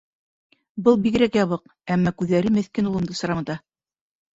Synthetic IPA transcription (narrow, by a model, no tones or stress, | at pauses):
bɤlˠbiɡ̆ɾækjɑβɤq | æmːɑkʉðːæɾɘmɘ̆θkɘnulˠɤ̆md̪ɤsɤ̆ɾɑmɤt̪ɑ